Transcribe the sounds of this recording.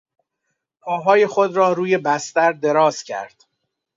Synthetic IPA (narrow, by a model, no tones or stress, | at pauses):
pʰɒːɦɒːje̞xod̪ɾɒːɾuːje̞bæst̪æɾd̪e̞ɾɒːz̥cʰæ̰ɾd̪̥